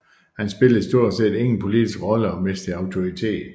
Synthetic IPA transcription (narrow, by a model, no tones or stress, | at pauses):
hænsb̥e̝ləð̩ˠsd̥o̝ɐ̰dse̝̰ːde̝ŋn̩pʰo̝lid̥isɡ̥ʁɒ̽ləɒ̽mesd̥əɑ̈ʊt͡sʰo̝it͡sʰe̝̰ːd̥